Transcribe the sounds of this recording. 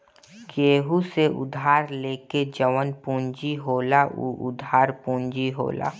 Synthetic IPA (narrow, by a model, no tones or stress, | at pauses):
keːɦuseʔʊ̰d̪ʱaːɾleːked͡ʒəʋənpũːɲd͡ʒiɦoːlaʔṵʔʊd̪ʱaːɾpũːɲd͡ʒiɦo̰ːla̰ː